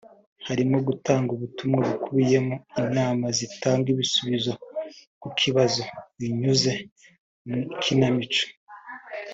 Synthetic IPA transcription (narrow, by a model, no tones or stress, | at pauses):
haɾimo̞ɡutaːŋɡuβutumŋaβukuβije̞moiɲaːmazitaːŋɡwiβisuβizo̞kukʰiβazo̞βiɲuze̞ | mukʰinamit͡ʃo̥